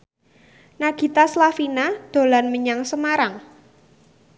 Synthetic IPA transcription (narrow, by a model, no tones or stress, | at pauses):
naɡ̥i̤t̪aslafinad̪̥o̤lanməɲaŋsəmaɾaŋ